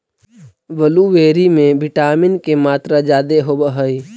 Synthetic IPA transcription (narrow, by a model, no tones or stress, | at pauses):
ʋəluʋeːɾimẽbɪʈaːmɪnkemaːt̪ɾad͡ʒaːd̪eɦobəɦəi